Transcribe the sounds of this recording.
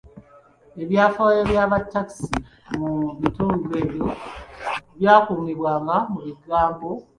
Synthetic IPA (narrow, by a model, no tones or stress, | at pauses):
e̞βjaːfaeβjaːβatːat͡si | mumituːŋɡule̞ːβjo̞ | βjaːkuniβwaːŋɡamuβiɡaːmbo